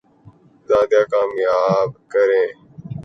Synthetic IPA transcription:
zaːd̪jaːkaːmjaːbkəɾẽː

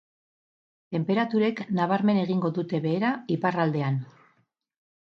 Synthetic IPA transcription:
t̪e̞mpe̞ɾat̪uɾe̞knaβ̞aɾme̞ne̞ɣ̞iŋɡo̞ðut̪e̞βe̞ːɾaiparald̪e̞an

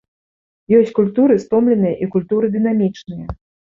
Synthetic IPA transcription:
jɔsʲt͡sʲkulʲt̪uɾɨst̪ɔmlʲɛn̪ɨjɐʔikulʲt̪uɾɨd̪ɨn̪amʲit͡ʂnɨjɐ

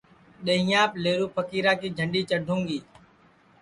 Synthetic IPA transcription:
ɗəɦĩjãːpleːɾuːpʰəkiːɾaːkiːd͡ʒʱəɳɖiːt͡ʃəɖʱũːŋɡiː

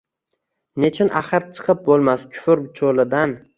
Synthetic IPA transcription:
net͡ʃʰɪnʔaχɨɾt͡ʃʰɨ̥qʰɨp̚bolˠmaskʲʰʊ̥fɪɾt͡ʃʰolɪd̪an

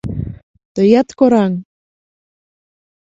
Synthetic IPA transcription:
t̪øjat̪koɾaŋ

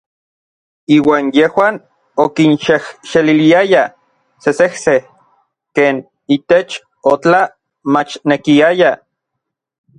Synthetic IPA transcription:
iːwaːnjehwaːn | okinʃehʃeliliaja | sesehse | keːn | it̪et͡ʃ | ot͡ɬa | mat͡ʃnekiaja

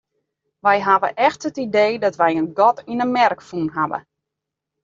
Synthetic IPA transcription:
ʋɛjɦaʋə̰ʔɛxtətideːdɔtʋɛjənɡɔtinəmɛrkfunɦaʋə̰

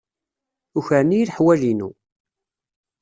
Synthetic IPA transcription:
uçəɾnijiɾħwælinṵ

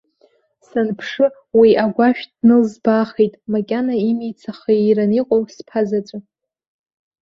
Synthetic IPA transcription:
sanpʰʂɨ | wiʔaɡʷaʃᶣdnɨlzbaχejtʼmakʲʼanaimijt͡sʰaχaɾaniqʼowspʰazat͡ʃʷʼɨ

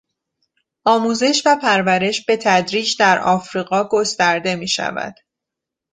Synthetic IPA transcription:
ɒːmuːze̞ʃvæpʰæɾvæɾe̞ʃbe̞t̪ʰæd̪ɾiːd͡ʒd̪æɾɒːfɾiːɢɒːɡo̞st̪æɾd̪e̞miːʃæ̰væ̰d̪̥

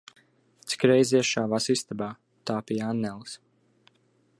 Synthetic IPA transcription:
t̪si̥kɾɛjzɛʃaːvaːsist̪abaː | t̪aːpijanːɛlˠs

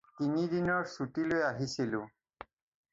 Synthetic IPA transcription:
t̪inid̪inɔɹsutilojaɦisilʊ̃

